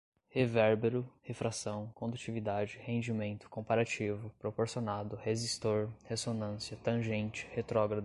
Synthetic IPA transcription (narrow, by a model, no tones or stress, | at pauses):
hevɛɾbeɾʊhefɾasɐ̃w̃kõd̪ut͡ʃivid̪ad͡ʒɪhẽd͡ʒimẽnt̪ʊ̥kõpaɾat͡ʃivʊpɾopoɾsionad̪ʊhezist̪oɾhesonɐ̃siɐt̪ɐ̃ʒẽnt͡ʃɪ̥het̪ɾɔɡɾɐd̪